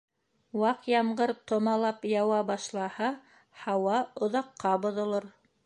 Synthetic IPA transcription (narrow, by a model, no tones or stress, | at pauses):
wɑqjɑmɢɤɾt̪ŏmɑlˠɑpjɑwɑbɑʃlˠɑhɑ | hɑwɑŏðɑqʰːɑbŏðŏlˠoɾ